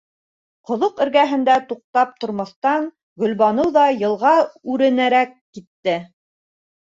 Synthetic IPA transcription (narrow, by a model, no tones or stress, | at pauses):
qŏðoqɘ̆ɾɡæɦɘ̆nd̪æt̪uq̚t̪ɑp̚t̪ŏɾmɑθt̪ɑn | ɡɵ̆lβɑnɤwðɑjɤ̆lˠʁɑʉɾɘ̆næɾækːit̪ːɘ